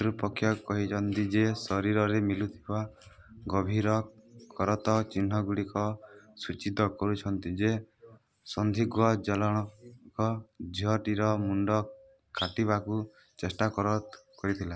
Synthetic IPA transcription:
ɾupɔkʰːjɔkɔɦit͡ʃʰɔnt̪id͡ʒesɔɾiɾɔɾemilut̪ʰiba | ɡɔbʱiɾɔkɔɾɔt̪ɔt͡ʃin̤ːɔɡuɽikɔsut͡ʃid̪ɔkɔɾut͡ʃʰɔnt̪id͡ʒe | sɔnd̪ʱiɡwɔd͡ʒɔlɔɽ̃ɔkɔd͡ʒʱiɔʈiɾɔmuɳɖɔ | kʰaʈiβaku | t͡ʃesʈakɔɾɔt̪kɔɾit̪ʰila

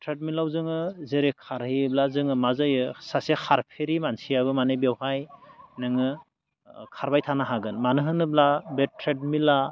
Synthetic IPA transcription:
tʰɾet̚milawzɯŋɯzeɾekʰaɾhiblazɯŋɯmazajɯsasekʰaɾpʰeɾimansijaβɯmanebewhajnɯŋɯ | kʰaɾbajtʰanaɦaɡɯnmanɯɦɯnɯblabetʰɾed̚mila

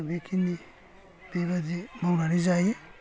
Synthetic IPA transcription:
bekʰini | b̥eβadimawɾaɾizaje

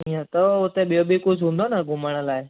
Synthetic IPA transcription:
ijãt̪ɔʊt̪ẽɓijobikʊd͡ʑʱɦũːn̆d̪onəɡʱʊməɽ̃əlaːe

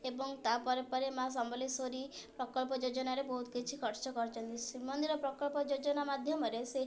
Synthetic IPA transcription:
ebɔŋt̪apɔɾepɔɾemas̬ɔmbɔlisoɾipɾɔkɔɭpɔd͡ʒod͡ʒɔnaɾebɔɦut̪kit͡ʃʰikʰɔɾt͡ʃɔkɔɾt͡ʃɔnt̪isimɔnd̪iɾɔpɾɔkɔɭpɔd͡ʒod͡ʒɔnamad̪ʱjɔmɔɾese

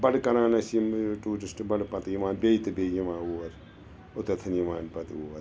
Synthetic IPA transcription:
bɐɽkɐɾãːnɐsimʈuːʈisʈbɐɽpɐt̪jimãːnbʲejt̪ɨbʲeːjimãːuːʋɐɾ | ʊt̪ɐt̪ʰɐnimaːnpɐt̪uːʋɐɾ

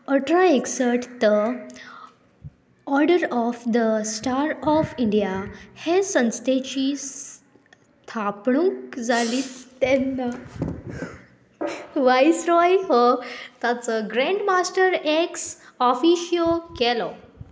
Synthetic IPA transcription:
əʈɾaeksəɾʈt̪ə | ɔɾɖəɾɔfd̪əsʈaɾɔfiɳɖijahesə̃nst̪ʰet͡ɕiːs | t̪ʰapɳũkd͡zaliːt͡st̪ɛnːa | ʋajsɾɔjhɔt̪at͡səɡɾẽɳɖmasʈəɾeksɔfiɕijokɛlɔ

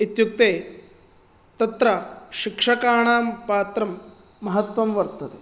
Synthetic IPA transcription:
it̪juk̚t̪eː | t̪ɐt̪ɾɐʃikʂɐkaːɳaːmpaːt̪ɾɐmː | ɐɦɐt̪ʋɐmʋɐɾt̪ɐt̪e

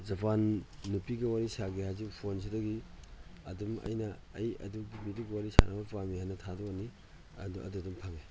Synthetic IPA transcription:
zɐpanːupiɡɐwaɾisaɡehazikpʰons̬idɐɡi | ɐdumɐ̰jnɐɐjɐ̰duɡibiduɡwaɾisa̰nɐbɐpamihanɐtʰadoɐni | ɐ̰doʔɐ̰dudumpʰaŋe

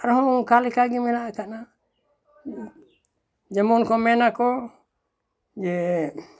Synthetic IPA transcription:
aɾɔɦɔmɔŋkalikaɡimɛnaʔɛkaʔna | d͡ʒɛmɔnkɔmɛnakɔ | d͡ʒɛ

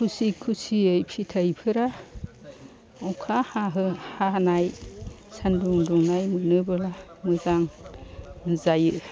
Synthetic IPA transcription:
kʰusikʰusiɯjpʰitʰajpʰɯɾa | ɔkʰahaɦɯhaɦanaj | sanduŋduŋnajmɯnɯbɯla | mɯzaŋ | zajɯ

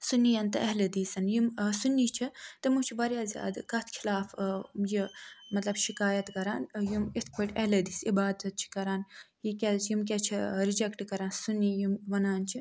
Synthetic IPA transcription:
sunːijɐnt̪ɨɐɦled̪iːsɐnjimsunːit͡ʃʰit̪emut͡ʃʰibɐɾjaːzʲja̰ːd̪kɐt̪ʰkʰilaːfjimɐt̪lɐbʃikaːjɐt̪kɐɾaːnjimit̪ʰkɐʈʲɐɦled̪iːsibaːd̪ɐt̪̚t͡ʃʰi̥kɐɾaːn | jikʲɛjimkʲɛt͡ʃʰiɾid͡ʒɛkʈkɐɾaːnsunːijimʋɐnaːnt͡ʃʰi

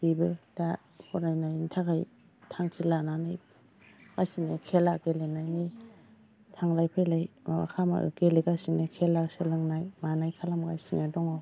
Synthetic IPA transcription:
bibɯda | hʰɔnajnajintʰakʰaj | tʰaŋkʰilananɯj | kasinekʰelaɡelenajni | tʰaŋlajpʰelajma̰wa̰kʰama̰ʔɯ̰ɡeleɡasinekʰelakselɯŋnajmanajkʰalamɡa̰jsiŋadɔŋaw

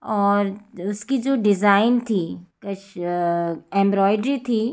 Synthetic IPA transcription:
ɔːɾʊskid͡ʒoːɖɪzaːɪnt̪ʰiːkɐt͡ʃʰ | ɛ̃ːmbɾɔːɪɖɾit̪ʰiː

